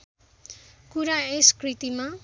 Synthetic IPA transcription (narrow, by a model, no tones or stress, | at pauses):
kuɾaeskrit̪ima